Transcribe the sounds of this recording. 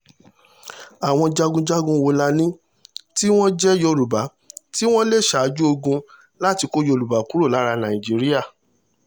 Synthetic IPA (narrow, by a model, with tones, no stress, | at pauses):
a˨w̃ɔ̃˧d͡ʒa˧ɡũ˧d͡ʒa˦ɡũ˧wo˧la˧nĩ˦ | ti˦w̃ɔ̃˦d͡ʒɛ˦jɔ˧ɾu˨ba˨˦ | ti˦w̃ɔ̃˦le˦˨ʃa˨˧˦d͡ʒu˦o˧ɡũ˧ | la˦˨ti˧ko˦jo˧˨lu˨ba˨˦ku˦ɾo˦˨la˨˦ɾa˧nã˨ĩ˨d͡ʒi˨˦ɾi˦ja˦˨